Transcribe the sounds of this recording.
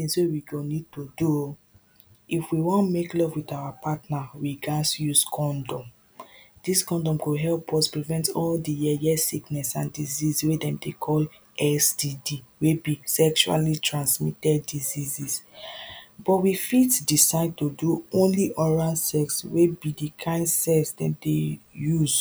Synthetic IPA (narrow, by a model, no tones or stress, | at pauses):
θĩŋswewiɡonid̚todu | ifwiwɔ̃nmeklɔvwitawapʰatnawiɡasjuskʰɔ̃ndɔ̃m | d̥iskɔ̃ndɔ̃mkuɦɛlpʰɔspɹivɛ̃ntɔldijɛjɛsiknɛsãndizizwedɛ̃mdekʰɔl | ɛsdidiwebisɛkʃua̰litʰɹãnsmitɛdːizizis | bɔtwifitdisaɪd̚toduõnliʔɔɹalsɛkswebidikʰãɪ̃ndsɛksdɛ̃dejuz